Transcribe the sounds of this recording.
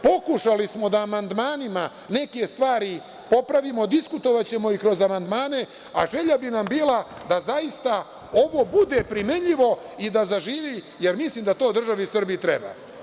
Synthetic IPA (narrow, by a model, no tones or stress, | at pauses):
po̞kuʃalismo̞d̪aːmand̪maːnima | ne̞ke̞st̪ʋaːɾi | po̞pɾaʋimo̞d̪iskut̪o̞ʋat͡ɕe̞mo̞ikɾo̞zamand̪maːne̞ | aʒe̞ʎabinambiːlad̪azaist̪a | o̞ʋo̞bud̪e̞pɾimeɲiʋo̞id̪azaʒiːʋi | je̞ɾmisliːmd̪at̪o̞ːd̪r̩ʒaʋisr̩biit̪ɾḛba̰ː